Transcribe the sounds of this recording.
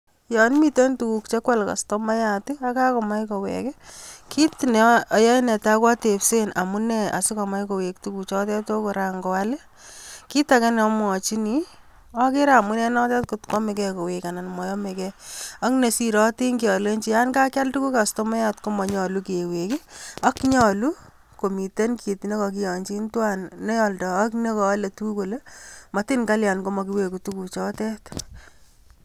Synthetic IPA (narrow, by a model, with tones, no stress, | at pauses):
jɔ˨nmi˨te˦ntu˨ku˨kt͡ʃe˦kwa˦lka̰˨stɔ˦ma˦ja˨tia˦ka˦kɔ˨ma˦jkɔ˨wɛ̰˨kɛ˦kʰi˦tnɛ˨ja˦nɛ˨ta˦kwa˦te˨pse˦na̰˨mu˦nɛ˦a̰˨sɪ˦kɔ˨ma˦jko˨we˨k̚tu˦ku˨t͡ʃɔ˦tɛ˦to˦kʊ˨ɾa˨ŋɡɔ˨a˦le˦ | ki˦ta˨kɛ˦nɛ˨ɔ˦mwɔ˨t͡ʃi˦ni˨˦ | ɔ˦ke˦ɾa˨mu˦nɛ˦nɔ˦tɛ˦tko˨tkɔ˦me˨kɛ˧ko˨we˨ka˨na˨nmɔ˨jɔ˦me˨kɛɔ˦kne˨si˨ɾɔ˦ti˦ŋki˨ɔ˨le˦ɲt͡ʃi˦ja˦nka˦kja˦ltu˦ku˦ka˨sto˦mɛ˦ja˦tko˦mɔ˨ɲɔ˨lu˦ke˨we˨kɪ˦ɔ˦kɲɔ˦˨lu˦ | ko˨mi˨te˦nkie˨tne˦kɔ˧k̬i˦jɔ˨ɲt͡ʃi˦ntwa˦nːe˦jɔ˨ldɔː˨˦kne˦kɔ˨a˦le˨tu˦ko˨le˦ma˨ti˦nka˦lja˨nko˦mɔ˨ki˦we˨ku˨tu˦ku˨t͡ʃɔ˦tɛ˦t